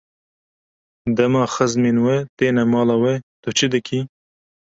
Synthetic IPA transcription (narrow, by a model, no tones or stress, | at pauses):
d̪ɐmɑːxɐzminwet̪eːnɐmɑːlawet̪ot͡ʃʰid̪ɨkʰi